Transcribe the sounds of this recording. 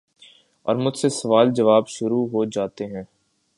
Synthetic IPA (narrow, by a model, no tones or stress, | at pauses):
ɔ̰ːɾmʊd͡ʒʱsesɐʋaːld͡ʒɐʋaːbʃʊɾuɦod͡ʒaːt̪eɦɛ̃ː